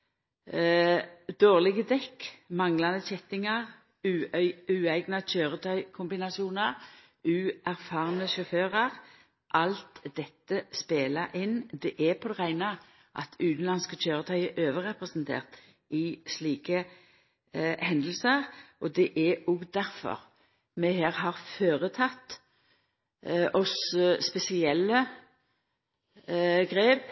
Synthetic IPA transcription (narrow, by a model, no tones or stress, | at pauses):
d̪̥oːʁlɪɡəd̪ɛkmɑŋlɑnəçɛt̪ːɪŋɑʁ | ʉːæɪɡnɑc͡çøːʁət̪ʰœʏkʰʊmbɪnɑsɪuːnɑʁ | ʉːʔæʁfɑːʁnəʃɔføːʁɑʁ | ʔɑlt̪d̪ɛt̪ːəspeːlɑʔɪnd̪ɛʔɛpʰɔd̪ɛʁæɪnɑ | ʔɑ̰t̪ʰʉːt̪n̩lɑnskət͡ʃʰøːʁət̪ʰɑʏəʔøːʋəʁɛpʁɛsnt̪ʰḛːʁt̪ | ɪsliːkə | hɛnd̪l̩səʁʔɔd̪ɛʔæɔɡd̪æʁfɔ̰ʁ | mɛhæːʁɦɑʁføːʁət̪ʰɑt̪ː | ʔɔsspɛsɪɛlːə | ɡʁeːp